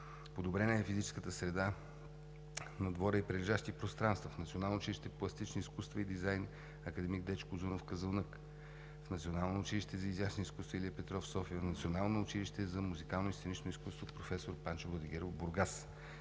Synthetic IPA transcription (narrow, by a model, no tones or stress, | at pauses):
pod̪obɾɛnəɛfizit͡ʃɛ̥skət̪əsɾɛd̪a | nɐd̪vɔɾəipɾɛɾiʒaʃt̪ipɾost̪ɾanst̪vəfnɐt̪sionalˠnoʊt͡ʃiliʃt̪ɛplˠɐst̪it͡ʃniiskust̪vəid̪izajn | ɐkəd̪ɛmiɡ̚d̪ɛt͡ʃkʊzunofkəzəlˠnɤk | fnɐt̪sionalˠnoːt͡ʃiliʃt̪ɛzɐizjasniskust̪vəilʲiɛpɛt̪ɾɔfsɔfiənɐt̪sionalˠnoːt͡ʃiliʃt̪ɛzɐmuzikalˠnoist̪enit͡ʃnoiskust̪vopɾofɛsoɾpant͡ʃovlˠɐd̪iɡɛɾobuɾɡas